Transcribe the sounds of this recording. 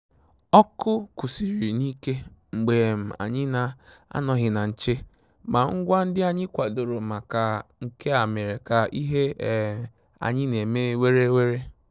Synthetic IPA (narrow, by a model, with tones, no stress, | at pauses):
ɔ˦kʊ˦ku˨si˨ɾi˨ni˦ke˦ŋ͡m̩˨ɡ͡be˨m̩˨a̰˨ɲɪ˦na˨a̰˦nɔ˨ɦɪ˨na˨n̩˨t͡ʃe˦ | ma˨ŋ̩˦ɡʷa˦n̩˦dɪ˦a˨ɲɪ˦kʷa˨do˨ɾo˨ma˨ka˨ŋ̩˨ke˦a˨me˨ɾe˨ka˨i˦ɦe˦˨ | a̰˨ɲɪ˦ne˨me˦we˦ɾe˦we˦ɾe˦